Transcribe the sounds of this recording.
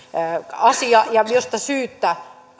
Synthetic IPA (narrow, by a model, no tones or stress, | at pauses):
ɑsiɑjɑjost̪ɑsyːt̪ːæ